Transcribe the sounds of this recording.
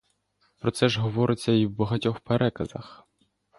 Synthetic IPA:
pɾɔt̪sɛʒɦɔʋɔɾʔɪt͡sʲːɐiwbɐɦɐtʲɔxpeɾɛkɐzɐ̰x

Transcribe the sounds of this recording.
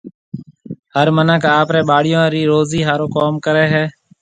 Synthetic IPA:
həɾmənəkaːpɾeːɓaːɽɪjõːɾiːɾoːziːɦaːɾoːkoːmkəɾeːɦɛː

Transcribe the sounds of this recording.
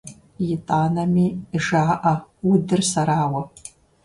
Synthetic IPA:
jɪtʼaːnɐmiːʒaːʔɐwʊdɨrsɐɾaːwɐ

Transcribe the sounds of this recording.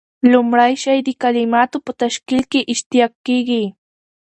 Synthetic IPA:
lʊmɾajʃajd̪ɪkalɪmat̪ʊpʊt̪aʃkɪlkɪʔɪʃt̪ɪjakiki

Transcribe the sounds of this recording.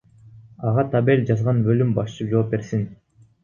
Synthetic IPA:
ɑʁɑt̪ʰabe̞lʲd͡ʒɑzʁɑnbø̞lymbɑʃt͡ʃɯpd͡ʒop̚be̞ɾsin

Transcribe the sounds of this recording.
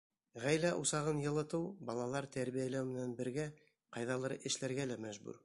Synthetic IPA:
ʁæjlæʔusɑʁɤnjɤ̆lˠɤ̆t̪ɤwbɑlˠɑlˠɑɾt̪æɾβijælæwmɘ̆nænbɘ̆ɾɡæ | qɑjðɑlˠɤ̆ɾɤʔɘ̆ʃlæɾɡælæmæʒbʉ̰ɾ

